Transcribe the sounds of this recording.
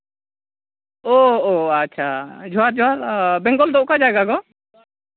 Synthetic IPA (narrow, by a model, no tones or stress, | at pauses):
ɔatːt͡ʃʰad͡ʒʱɔwaɾd͡ʒɔaɾbɛ̃ŋɡɔld̪ɔʔkad͡ʒaɡaɡɔ